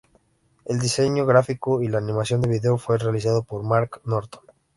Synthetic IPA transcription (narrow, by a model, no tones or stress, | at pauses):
e̞ld̪ise̞ɲoɣɾafikoilaːnĩmasjo̞nd̪e̞βiðeofwe̞re̞alis̬aðopo̞ɾmaɾknoɾt̪o̥n